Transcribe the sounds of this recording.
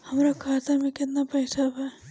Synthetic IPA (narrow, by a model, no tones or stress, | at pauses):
həmɾakʰaːt̪amẽkɪt̪napɐɪsʰabɛ